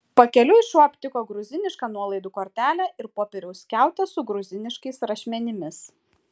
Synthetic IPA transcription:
pɐkʲɛlʲʊɪʃuɔpʲt̪ʲɪkoːɡɾʊzʲɪnʲɪʃkɑːnuɔlˠɐɪd̪uːkoːɾʲt̪ʲæːlʲæɪɾpoːpʲɛɾʲɛʊsʲkʲæˑʊt̪ʲɛsʊɡɾʊzʲɪnʲɪʃkɐɪsɾɐʃʲmʲɛnʲɪmʲɪs

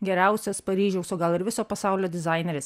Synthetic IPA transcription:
ɡʲɛɾʲæˑʊsʲɛspɐɾʲiːʒʲɛʊsoːɡɐlˠɪɾʋʲɪsoːpɐsɑˑʊlʲoːd̪ʲɪzɑˑɪnʲɛɾʲɪs

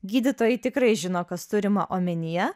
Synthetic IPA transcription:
ɡʲiːd̪ʲɪt̪oːjɛɪt̪ʲɪkɾɐɪʒʲɪnoːkɐst̪ʊɾʲɪmɐ̰ʔoːmʲɛnʲɪjɛ

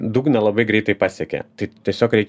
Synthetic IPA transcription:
d̪uːɡnʲɛlˠɐbɐɪɡɾʲɛɪt̪ɐɪpɑːsʲɛkʲɛ̰t̪ɐɪt̪ʲiɛsʲoːkɾʲɛɪkʲ

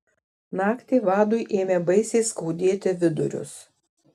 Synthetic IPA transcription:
nɑːkt̪ʲeːʋɑːd̪ʊjʔeːmʲeːbɐɪsʲeːskɐʊd̪ʲeːt̪ʲɪʋʲɪd̪ʊ̰ɾʲʊ̰s

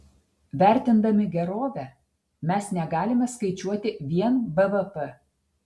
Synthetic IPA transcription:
ʋʲæˑɾʲt̪ʲɪnd̪ɐmʲɪɡʲɛɾoːʋʲɛ | mʲɛsnʲɛɡɑːlʲɪmʲɛskɐɪt͡ʃʲuɔt̪ʲɪʋʲiɛnbɛʋɛpɛ

